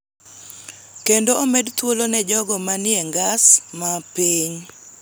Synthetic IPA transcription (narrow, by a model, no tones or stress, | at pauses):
kendoomɛdt̪wolonɛd͡ʒɔɡɔmanɪɛŋɡasmapeɲ